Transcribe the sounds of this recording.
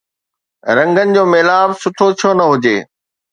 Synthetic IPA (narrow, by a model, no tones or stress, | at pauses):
ɾɐ̃ŋɡənɪ̆d͡ʑoːmeːlaːbsʊʈʰotʰijonɐɦʊd͡ʑḛː